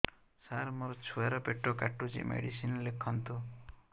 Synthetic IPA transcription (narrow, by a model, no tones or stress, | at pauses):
saɾmoɾɔt͡ʃʰueɾɔpeʈːokaʈːut͡ʃḭmʔḛɽisinlekʰːɔnt̪u